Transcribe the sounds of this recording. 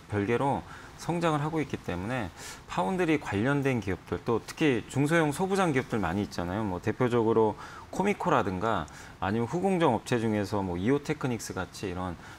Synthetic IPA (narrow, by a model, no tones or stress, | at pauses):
pjʌɭɡe̞ɾo | sʰʌŋd͡ʑaŋɯɭɦaɡoik͈it͈e̞mune̞pʰaundɯɾikwaʎːʌndwe̞nkiʌp̚t͈ɯɭt͈otʰɯ̥kʰit͡ɕuŋs̬ʰojoŋsʰʌbud͡ʑaŋɡiʌp̚t͈ɯɭmaɲiːt̚t͡ɕ͈anajomwʌte̞pʰjod͡ʑʌɡɯɾo | kʰomikʰoɾadɯŋɡa̰ː | ɲimjʌnɸuɡoŋd͡ʑʌŋʌp̚t͡ɕʰe̞d͡ʑuŋe̞sʰʌmwʌiotʰe̞kʰɯɲik̚s͈ɯɡat͡ɕʰiːɾʌn